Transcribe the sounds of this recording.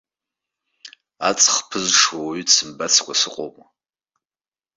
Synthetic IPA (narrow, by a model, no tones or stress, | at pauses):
at͡sʼχpʰɨzʂwaysɨmbat͡sʰkʷasɨqʷʼo̰mʼ